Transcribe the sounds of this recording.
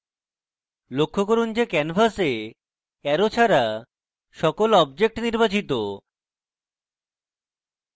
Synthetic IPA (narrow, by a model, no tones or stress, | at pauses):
lokʰːokoɾund͡ʑekɛnfase | ɛɾot͡ɕʰaɾa | ʃɔkolɔb̚d͡ʑek̚ʈniɾbat͡ɕit̪o